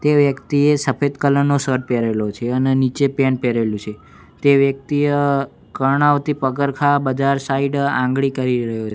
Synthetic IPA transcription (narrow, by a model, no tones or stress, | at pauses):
t̪eʋjəkt̪iesəfed̪kələnːosəɾʈ̚peɾelot͡ʃʰeənenit͡ʃepenpeɾelũt͡ʃʰe | t̪eʋjək̚t̪iə | kəɾɳaʋt̪ipəkəɾkʰabəd͡ʒaɾsaiɖã̰ŋɡɭikəɾiɾəɦjot͡ʃʰ